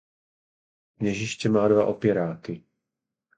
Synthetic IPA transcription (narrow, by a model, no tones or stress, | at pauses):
mɲɛʒɪʃcɛmaːdva̰ʔopjɛɾaːkɪ